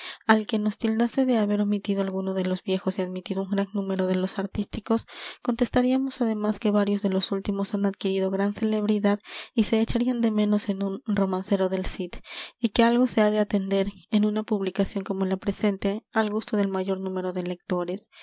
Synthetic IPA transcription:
alke̞no̞st̪ild̪ase̞ðe̞aβe̞ɾomit̪ið̞oalɣuno̞ðe̞lo̞zbje̞xo̞siaðmit̪iðo̞uŋɡɾaŋnũme̞ɾo̞ð̞e̞lo̞saɾt̪ist̪iko̞sko̞nt̪e̞st̪aɾiamo̞saðe̞maske̞βaɾjo̞zðe̞lo̞sult̪imo̞sanaðkiɾiðo̞ɣɾanse̞le̞βɾiðaðise̞ːt͡ʃaɾiand̪e̞mẽ̞no̞se̞nunro̞manse̞ɾo̞ðe̞lsit̪ike̞alɣo̞se̞aðe̞at̪e̞nd̪e̞ɾenunapuβlikasjo̞ŋko̞molapɾe̞se̞nt̪e̞alɣust̪o̞ðe̞lmaʝo̞ɾnũme̞ɾo̞ðe̞le̞k̚t̪o̞ɾe̞s

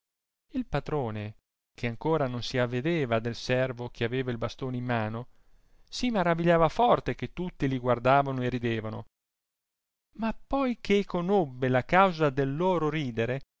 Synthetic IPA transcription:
ilpat̪ɾoːne | k̟ʰeaŋkoːɾanonsiavːed̪eːvad̪elsɛrvok̟ʰeaveːvailbast̪oːneimːaːno | simaɾaviʎːaːvafɔrt̪ek̟et̪ːut̪ːiliɡward̪aːvanoerid̪eːvano̰ | mapːɔjkʰekonobːelakawzad̪elːoːɾoɾiːd̪eɾe

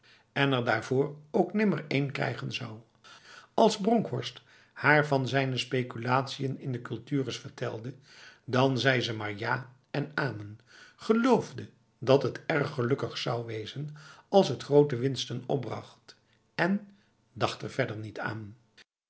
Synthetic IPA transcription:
ɛnɛɹdaːɹvʊːɹowknɪməɹejnkrɛ̰jχənzɑw | ɑlˠzbrɔŋkɦɔɹst | haːɹvɑnzɛjnəspejkylaːtsijənɪndəkɵlˠtyːrəsfəɹtʰɛ̰lˠdə | dɑnzɛjzəmaːɹjaː | ɛnaːmənχəlowvdə | dɑtɦətɛɹχːəlɵkəχsɑwʋejzənɑlˠsɦətχrowtəʋɪnstənɔ̰b̚brɑ̰χt | ɛn | dɑχtɛɹv̥ɛdəɹnitʰa̰ːn

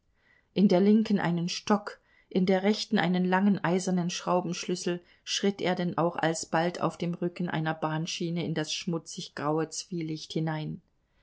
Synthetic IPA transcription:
ʔɪndeːɐlɪŋkən̩ʔa̰ɪnənʃtɔk | ʔɪndeːɐʁɛçtn̩ʔaɪnənlaŋənʔaɪzɐnənʃʁ̥aʊbm̩ʃlʏsl̩ | ʃʁ̥ɪtʔḛːɐdɛnʔa̰ʊxa̰lsb̥altʰa̰ʊfd̥eːmʁʏkn̩ʔa̰ɪnɐbaːnʃiːnəɪndasʃmʊt͡sɪçɡ̥ʁaʊət͡sv̥iːlɪçthɪnaɪn

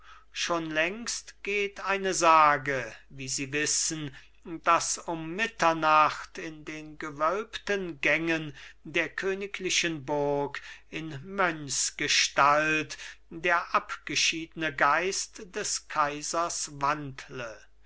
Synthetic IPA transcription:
ʃoːnlɛŋstɡ̥eːtaɪnəzaːɡəviːziːvɪsən | d̥asʊmːɪtɐnaχtɪndeːnɡəvœlptənɡɛŋəndeːɐkʰøːnɪkʰlɪʃənbʊɐkɪnmœnsɡ̥əʃtaltdeːɐʔapɡ̥əʃiːdənəɡaɪstd̥ɛskʰaɪzɐsvantlə

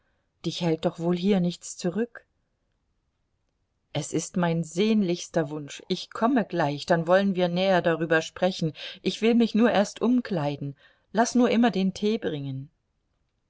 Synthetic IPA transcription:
d̥ɪçhɛlt̚d̥ɔχv̥oːlɦiːɐnɪçt͡st͡suʁʏk | ʔɛsɪstmaɪnzeːnlɪçstɐvʊnʃʔɪçkʰɔməɡlaɪçd̥anvɔlənviːɐnɛːɐdaʁyːbɐʃpʁ̥ɛçn̩ʔɪçv̥ɪlmɪçnuːɐʔeːɐstʔʊmkʰl̥aɪdn̩ | lasnuːɐʔɪmɐdeːntʰeːbʁɪŋən

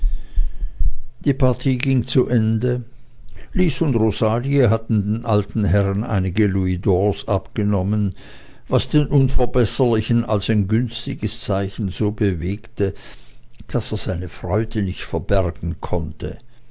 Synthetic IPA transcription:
d̥iːpʰaɐtʰiːɡɪŋt͡suʔɛndə | liːsʊndʁozaːliəɦatn̩deːnʔaltn̩ɦɛʁənʔa̰ɪnɪɡəluidɔːsʔapɡ̥ənɔmən | vasd̥eːnʔʊnfɛɐbɛsəlɪçənalsaɪnɡʏnstɪɡəst͡saɪçn̩zoːbəveːktə | d̥aseːɐz̥aɪnəfʁ̥ɔʏdənɪçtfɛɐb̥ɛɐɡ̥ŋ̩kʰɔntʰə̰

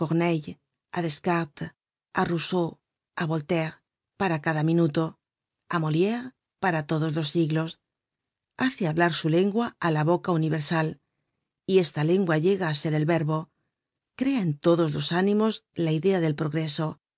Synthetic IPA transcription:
ko̞ɣneʎ | aðe̞skaɾt̪ | aruso | aβo̞lt̪e̞ɾ | paɾakaðamĩnut̪o̞ | amo̞ljeɾ | paɾat̪o̞ðo̞zlo̞sːiɣlo̞s | aθe̞aβlaɾsule̞ŋɡwaalaβ̞o̞kauniβe̞ɾsal | ie̞st̪ale̞ŋɡwaʝe̞ɣaːse̞ɾe̞lβe̞ɾβo̞ | kɾe̞ae̞nt̪o̞ðo̞zlo̞sanĩmo̞zlaiðe̞aðe̞lpɾo̞ɣɾe̞so̞

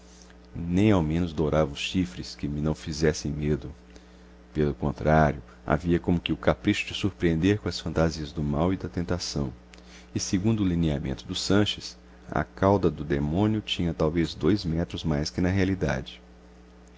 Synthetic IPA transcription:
nẽj̃awmẽnʊzd̪oɾavɐʊsʃifɾɪskɪmɪnɐ̃w̃fizɛsẽj̃med̪ʊ | pelʊkõnt̪ɾaɾjʊ | a̰viɐkõmʊkɪʊkapɾiʃʊd͡ʒɪsuɾpɾiẽnd̪eɾkõɐsfɐ̃nt̪aziɐzd̪ʊmawid̪ɐt̪ẽnt̪asɐ̰̃w̃ | ɪseɡũnd̪ʊːliniamḛ̃nt̪ʊd̪ʊsɐ̃ʃɪs | ɐ̰kawd̪ɐd̪ʊd̪emõniʊt͡ʃĩɲɐt̪awvezd̪ojzmɛt̪ɾʊzmajskɪnɐɦealid̪a̰d͡ʒɪ

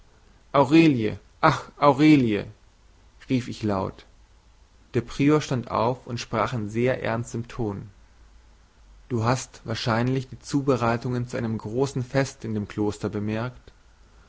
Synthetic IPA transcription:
ʔaʊʁeːljə̰ | ʔaχʔaʊʁeːljə̰ | ʁiːfɪçlaʊt | d̥eːɐpʁ̥iːoʃtantʔa̰ʊfʊntʃpʁ̥aːχn̩zeːɐʔɛ̰ɐnstɪmtʰoːn | d̥uːɦastv̥aːɐʃaɪnlɪçd̥iːt͡suːbəʁaɪtʊŋənt͡suʔaɪnəmɡʁoːsn̩fɛstɪndeːmkʰl̥oːstɐbəmɛɐkt

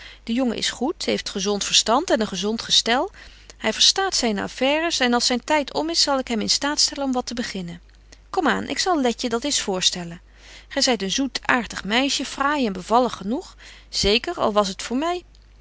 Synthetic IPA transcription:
d̥əjoŋə̰ʔɪ̰sχutɦejftχəzɔntfəɹstɑntɛnənχəzɔntχəstɛlˠ | hɛjvəɹstaːtsɛjna̰fɛːrəsɛnɑlˠsɛjntɛjtʰɔ̰mɪsɑlˠɪkɦɛmɪnstaːtstɛlənɔmʋɑtəbəχɪnən | kɔma̰ːnʔɪ̰ksɑlˠlɛcədɑtɪsfʊːɹstɛlən | χɛjzɛjtənzutʰaːɹtəχmɛjʃəfraːjɛnbəvɑlˠəχənuχz̥ejkəɹɑ̰lˠʋɑsɦətfʊːɹmɛj

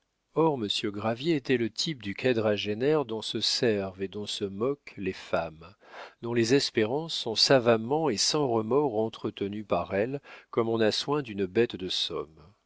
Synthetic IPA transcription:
ɔʁməsjøɡʁavjeːt̪ɛlət̪ʰip̚d̪ykʰad̪ʁaʒenɛʁd̪ɔ̃səsɛʁved̪ɔ̃səmɔklefamd̪̥ɔ̃lezɛspeʁɑ̃sːɔ̃savamɑ̃esɑ̃ʁəmɔʁɑ̃t̪χət̪ənypaʁɛlkɔmɔ̃naswɛ̃d̪ynbɛt̪d̪əsɔ̰m

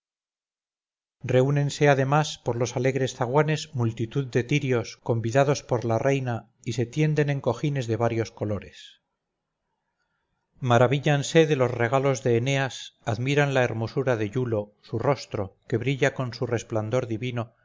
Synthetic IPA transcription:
re̞une̞nse̞aðe̞maspo̞ɾlo̞sale̞ɣɾe̞sθaɣwane̞smult̪it̪uðd̪e̞t̪iɾjo̞sko̞mbiðaðo̞spoɾlare̞jna | ise̞t̪je̞nd̪e̞neŋko̞xine̞zðe̞β̞aɾjo̞sko̞lo̞ɾe̞s | maɾaβiʎanse̞ðe̞lo̞sre̞ɣ̞alo̞zðe̞ːneasaðmiɾanlae̞ɾmo̞suɾaðe̞ʎulo̞suro̞st̪ɾo̞ke̞βɾiʎako̞nsure̞spland̪o̞ɾðiβino̞

